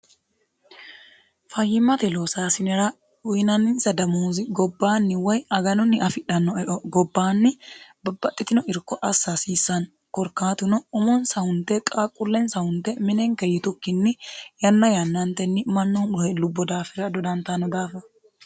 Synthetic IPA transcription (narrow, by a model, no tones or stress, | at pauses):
fɐjːɪmːɐt̪ɛloːsaːsɪnɛɾɐ | ʊjnɐnɪnsɐd̪ɐmuːzɪɡɔbːaːnːɪwɐjɐɡɐnɔnːɪʔɐfɪᶑɐnːɔɛʔɔɡɔbːaːnːɪbɐbːɐt̪ʼːɪt̪ɪnɔʔɪɾkːɔʔɐsːasiːsːɐn | kɔɾkːaːt̪ɪnɔʊmɔnsɐhʊnt̪ːɛkʼaːkʼːʊlːɛnsɐhʊnt̪ːɛmɪnɛŋkɐjɪt̪ʊkːɪnːɪjɐnːɐjɐnːɐnt̪ɛnːɪmɐnːɔhʊnɔhɛlːʊbːɔd̪aːfɛɾɐd̪ɔd̪ɐnt̪ɐnɔd̪aːfɐ